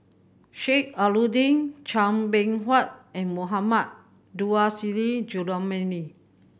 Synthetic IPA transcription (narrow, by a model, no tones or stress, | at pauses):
ʃek̚aludĩŋt͡ʃãmbɛ̃ŋɦwat̚ɛ̃nmoɦamat̚ | duasilid͡ʒudamɛ̃ni